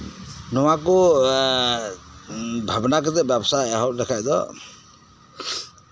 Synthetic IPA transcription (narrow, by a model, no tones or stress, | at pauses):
nɔwakɔ | bʱabnak̬ɛt̪ɛbjabsajaɦɔʔlɛkʰajd̪ɔ̰